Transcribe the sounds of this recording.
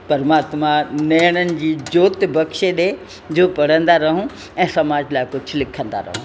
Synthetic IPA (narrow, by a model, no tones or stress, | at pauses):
pɐɾmãːt̪mãnɐːɽ̃ənɪ̆d͡ʑiːd͡ʑoːt̪bɐkʃeɗe | d͡ʑoːpɐɽ̤ə̃nd̪aɾɐɦũ | ɛ̃ːsɐmaːd͡ʑlaːɪkʊd͡ʑʱʊ̆lɪkʰə̃nd̪a̰ɾɐ̰ɦũ